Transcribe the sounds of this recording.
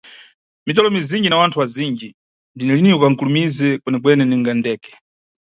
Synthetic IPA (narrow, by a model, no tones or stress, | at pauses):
mit̬ɔlɔmizind͡ʒinawantʰuwazind͡ʒi | ndinɛliniukaŋ̩kulumizɛkwɛnɛkwɛnɛniŋɡandɛːkɛ̥